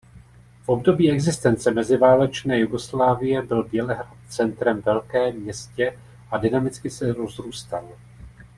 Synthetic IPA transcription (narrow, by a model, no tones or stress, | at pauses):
fʔo̞b̚do̞biːɛɡzɪst̪ɛnt͡sɛmɛzɪvaːlɛt͡ʃnɛːjuɡo̞slaːvɪjɛbɪlbjɛlɛɦɾat̪̚t͡sɛnt̪ɾɛmvɛlkɛːmɲɛscɛ | ʔadɪnamɪt͡skɪsɛɾo̞zɾuːst̪al